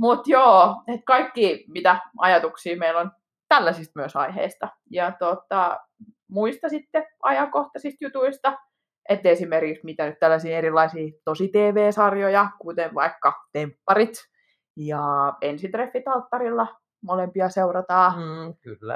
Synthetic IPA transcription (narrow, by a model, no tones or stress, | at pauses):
mut̪joːet̪kɑikːiːmit̪æɑjɑt̪uksiːmeilon | t̪ælːæsist̪̚myøsɑiɦḛist̪ɑ | jɑt̪ot̪ɑ | muist̪ɑsit̪ːeɑjɑŋkoht̪ɑsist̪jut̪uist̪ɑ | et̪ːeesimerkiksmit̪ænyt̪t̪ælːæsiːeɾilːˑɑisiːt̪osit̪eːʋeːsɑrjojɑkut̪enʋɑ̰ikːɑt̪empːɑrit̪ | jɑensint̪refːit̪ɑlt̪ːɑɾilːɑ | molempiɑseurɑt̪ɑːkylːæ̰